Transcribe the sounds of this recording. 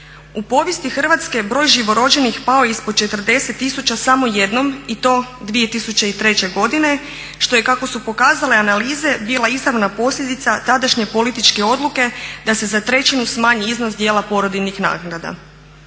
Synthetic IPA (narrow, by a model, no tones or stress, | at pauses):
upo̞ʋje̞st̪ixr̩ʋat̪ske̞bɾo̞ːjʒiʋo̞ɾo̞d͡ʑe̞nixpao̞ispod̪̚t͡ʃe̞t̪r̩d̪e̞se̞t̪ːisut͡ɕasamo̞je̞d̪no̞mit̪o̞ːd̪ʋije̞t̪isut͡ɕe̞it̪ɾe̞t͡ɕe̞ɡo̞d̪ine̞ | ʃt̪o̞je̞kako̞supo̞kaːzale̞analiːze̞biːlˠaizɾaʋnapo̞sʎʲed̪it̪sat̪ad̪aʃɲe̞po̞lit̪it͡ʃke̞o̞d̪luke̞d̪ase̞zat̪ɾe̞t͡ɕinusmaːɲiiznoszd̪je̞ːlapo̞ɾod̪inixna̰ɡnad̪a̰